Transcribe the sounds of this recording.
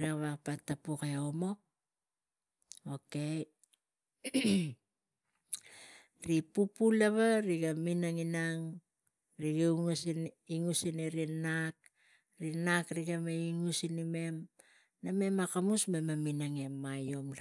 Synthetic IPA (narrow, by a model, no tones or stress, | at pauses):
ɾiaβapatːapukeomo̞ | oke̞ | ɾipupulaβaɾiɡaminaŋinaŋ | ɾiɡeŋusn | iŋusineɾinak | ɾinakɾiɡameiŋusinime̞m | name̞makamusmemaminaŋemːajomla